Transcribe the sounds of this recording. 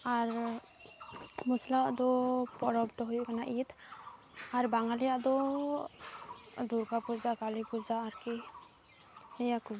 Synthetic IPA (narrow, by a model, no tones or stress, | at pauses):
aɾ | muslaʔd̪ɔpɔɾɔbd̪ɔɦujuʔkanaʔit̪ | aɾbaŋalijaʔd̪ɔ | d̪uɾkapud͡ʒakalipud͡ʒaːɾki | nɛjakub